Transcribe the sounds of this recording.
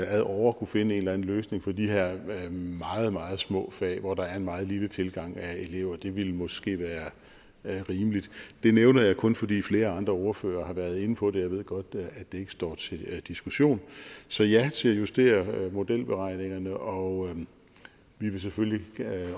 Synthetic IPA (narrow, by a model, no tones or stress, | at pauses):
æðˠɒʊ̰ɐkʰufe̝nəe̝ːnlæn̩løːsne̝ŋfɒ̽d̥ḭɦeɐ̰mɑ̈ːð̩ˠmɑ̈ːð̞̩ˠsmɔ̰̽ːfɛ̰ːʋɒd̥ɑ̈æɐe̝nmɑ̈ːð̩ˠlilət͡sʰe̝lɡ̥ɑ̈ŋ̰æe̝le̝ʊ̰ɐd̥e̝ʋe̝lmɒ̽sɡ̥e̝̰ːʋæːɐ | ʁiːməlid̥d̥e̝neʊnɐjɑ̈ɪkʰɔ̽nfɒ̽d̥ḭːfle̝ːɐɑ̈nd̥ʁɐɒʊɐfø̰ːɐːhɑ̈ʋæɐðˠe̝nəpʰɒ̽d̥e̝jɑ̈ɪʋe̝ð̞̰ˠɡ̥ɒ̽d̥æ̥d̥ee̝ɡə̥sd̥ɒ̰ːt͡sʰe̝d̥isɡ̥uɕo̝̰ːnsɒ̽jæt͡sʰe̝æjusd̥e̝̰ːɐmo̝d̥el̰b̥eʁɑ̈ɪ̰ne̝ŋɐnəʔɒ̽ | ʋiʋe̝s̬efølli